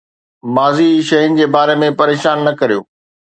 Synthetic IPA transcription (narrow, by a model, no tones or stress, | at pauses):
maːziʃɐɦʊnɪ̆d͡ʑeːbaːɾemẽpɐɾeːʃaːnːɐkɐɾijo̰ː